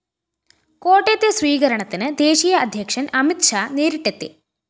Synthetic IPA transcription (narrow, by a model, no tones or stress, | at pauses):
koːʈːeːt̪jɐsʋiːɣɐɾɐɳɐt̪ːinɨd̪eːʃiːjɐːd̪ʱjɐkʂɐnʔɐmit̪ʂaːneːɾiʈːet̪ːḭ